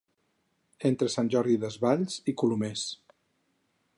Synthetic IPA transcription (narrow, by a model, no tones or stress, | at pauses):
ent̪ɾəsanʲʒɔɾðiðəzβaʎzikulumes